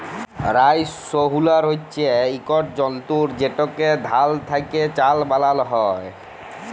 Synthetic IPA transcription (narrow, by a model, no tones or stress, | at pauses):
ɾajsoɦulaɾɦotːɕʰeikɔʈ̚d͡ʑɔnt̪uɾd͡ʑeʈɔked̪ʱalt̪ʰajket͡ɕalbalalɦɔj